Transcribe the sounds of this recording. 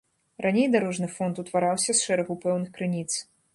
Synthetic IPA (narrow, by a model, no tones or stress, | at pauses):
ranʲejd̪aɾɔʐnɨfɔnt̪ut̪vaɾawsʲɐsʂɛɾɐɣupɛwnɨxkɾɨnʲit̪s